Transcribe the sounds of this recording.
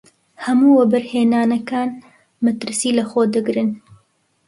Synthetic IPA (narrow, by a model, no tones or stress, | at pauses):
hɐmuːwɐbɐɾheːnaːnɐkaːn | mɐt̪ɨɾsiːlɐxoːd̪ɨɡɾɨn